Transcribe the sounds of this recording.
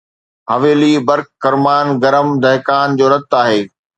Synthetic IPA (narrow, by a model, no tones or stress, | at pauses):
ɦɐʋeːliːbɐɾkːɐɾmaːnɡɐɾəmd̪ʱɐɦkaːnd͡ʑoːɾɐt̪ːaːɦeː